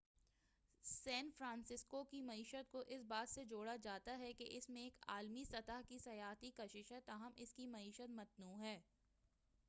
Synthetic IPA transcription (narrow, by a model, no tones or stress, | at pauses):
sɛ̃ːnfɾãːnsɪskokimɐiːʃət̪̚koʔɪsbaːt̪sed͡ʒoːɽad͡ʒaːt̪aɦɛkeʔɪsmẽeːka̰ːlmisɐt̪aɦkisɐjaːɦt̪ikɐʃɪʃɦɛt̪aːɦəmʔɪskimɐiːʃət̪mɐt̪nuːɦɛː